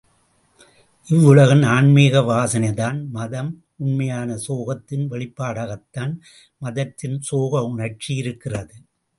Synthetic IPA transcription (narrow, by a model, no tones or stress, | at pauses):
ʔɪʋːʊɭɐɣɐnaːɳmeːɣɐʋaːsɐnɐðaːnmɐðɐm | ʊnmɐjaːnɐsoːɣɐt̪ːɪnʋɛɭɪpːaːɽaːɣɐt̪ːaːn | mɐðɐt̪ːɪnsoːɣɐʊɳɐɾt͡ʃijɪɾɯkːɪrɐðɯ